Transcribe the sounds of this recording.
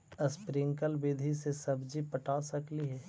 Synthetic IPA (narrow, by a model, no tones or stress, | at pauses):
əspɾɪŋkəlbeːd̪ʱisesɐbd͡ʒipɐʈaːsɐkliɦɛː